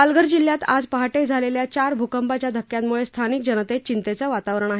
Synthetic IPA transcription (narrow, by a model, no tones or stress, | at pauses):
alɡəɾd͡ʑiljat̪ad͡zpəɦaʈed͡zʱaleljat͡ɕaɾbʱukəmpat͡ɕjad̪ʱəkːjat̪muɭest̪ʰanik̚d͡ʑənət̪et͡ɕint̪et͡səʋat̪aʋɾəɳ̃aɦe